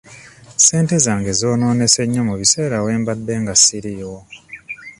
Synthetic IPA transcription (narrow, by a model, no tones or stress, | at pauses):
se̞ːnte̞zaːŋɡe̞zo̞ːno̞ːne̞se̞ɲːo̞muβise̞ːɾawe̞ːmbadːeːŋɡasiɾiwo